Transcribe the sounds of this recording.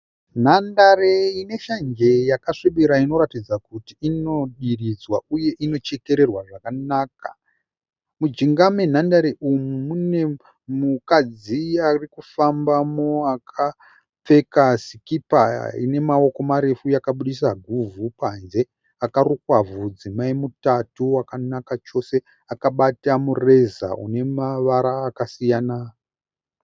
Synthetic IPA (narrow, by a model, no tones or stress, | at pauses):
n̤andareine̞ʃaɲd͡ʒe̞jakaʂiɓiɾaino̞ɾatid͡zakutiino̞ɗirid͡zwaʔuje̞ʔino̞t͡ʃe̞ke̞ɾe̞rwaʐakanaːka̰ | mud͡ʒiŋɡamen̤andaɾeʔumumune̞ | mukad͡ziarikufambamoakʰa | p͡fe̞kasikipaḭne̞mao̞ko̞maɾe̞fujakaɓuɗis̬aɡʱuvupanze̞ | akarukwavud͡zimaimutatuakanakat͡ʃo̞se̞ | akaɓatamure̞za̰ṵne̞maʋaɾaːkasijana